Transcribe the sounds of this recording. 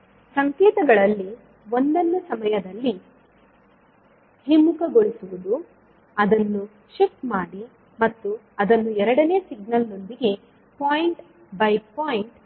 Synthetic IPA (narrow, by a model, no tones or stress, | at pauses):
sɐŋkɛːt̪ɐɡɐɭɐlːi | o̞nd̪ɐnːusɐmɐjɐd̪ɐlːi | himːukɐɡo̞ɭisuʋud̪u | ɐd̪ɐnːu | ʃifʈmaːɽi | mɐt̪ːu | ɐd̪ɐnːuɛɾɐɽɐneːsiɡnɐlno̞nd̪iɡe̞ | paːjiɳʈ | bɐjpaːjiɳʈ